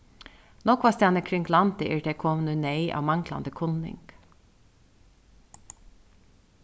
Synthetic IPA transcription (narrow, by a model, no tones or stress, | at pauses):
nɔkʰʋast̪aːnəkʰɾɪŋɡlant̪əʔɛːɹd̪ekʰɔːmənəneɪʔa̰ːʋmɑŋkla̰nd̪əkʰʊnːɪ̰ŋk